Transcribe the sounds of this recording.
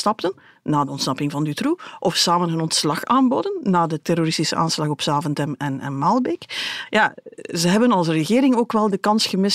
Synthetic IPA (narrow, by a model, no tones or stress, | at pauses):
tɑptənː | aːdəɔntsnɑpɪŋvɑndytruʔɔfsaːmənɦənɔntslɑxaːnbodənːaːdətɛɾoɾɪstisə̰ʔa̰ːnslɑxɔpsaːvəntɛmɛnɛ̰nmaːlˠbekjaːzəɦɛbənɑlˠsrəɣɪːɾɪŋoːkʋɛlˠdəkɑnsxəmɪs